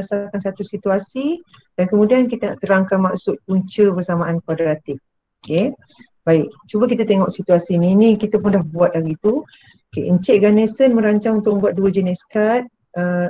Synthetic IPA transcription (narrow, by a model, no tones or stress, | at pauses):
asakansat̪usit̪uasi | dankəmũdiankit̪əna̰ʔt̪əɾaŋkanmaʔsʊt̪̚puɲt͡ʃəbərsamaʔankadəɾat̪ɪf̚ | oke | baɪk̚t͡ʃubəkit̪ət̪eŋɔʔsit̪uasininĩkit̪əpʊnlahbuat̪̚daɾit̪u | okḛəɲt͡ʃɛʔɡanesənmə̃ɾaɲt͡ʃaŋunt̪ʊk̚mə̃buat̪̚duəd͡ʒənɛskat̪̚ | ə